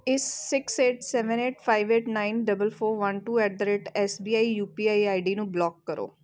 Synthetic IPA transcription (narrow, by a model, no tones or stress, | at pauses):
ɪsːɪkseːʈsɛːʋəneːʈpʰaːiʋeːʈnaːinɖəbəlpʰoːɾʋənʈuːɛːʈ̚d̪əɾeːʈɛːsbiːaːiːjuːpiːaːiaːiɖiːnũːblɔːkːəɾo̰ː